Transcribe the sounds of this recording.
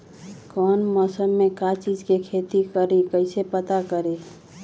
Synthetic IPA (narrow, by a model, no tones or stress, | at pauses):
kɔːnmɔːsəmːekat͡ʃid͡ʒkekʰet̪ikəɾikəɪsepət̪akəɾe